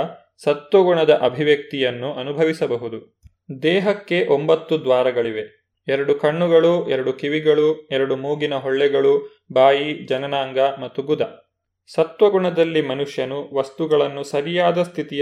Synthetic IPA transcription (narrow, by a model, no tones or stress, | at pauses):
sɐt̪ʋɐɡuɳɐd̪ɐʔɐbʱiʋjɐk̚t̪ijɐnːuʔɐnubʱɐʋisɐbɐɦud̪u | d̪ɛːɦɐkːe̞ʔo̞mbɐt̪ːud̪ʋaːɾɐɡɐɭiʋe̞ | ɛɾɐɽukɐɳːuɡɐɭuɛɾɐɽukiʋiɡɐɭuɛɾɐɽumuːɡinɐɦɔɭːɛɡɐɭu | bʱaːjid͡ʒɐnɐnaːŋɡɐmɐt̪ːuɡud̪ɐ | sɐt̪ʋɐɡuɳɐd̪ɐlːimɐnuʂjɐnuʋɐst̪uɡɐɭɐnːusɐɾijaːd̪ɐst̪ʰit̪ij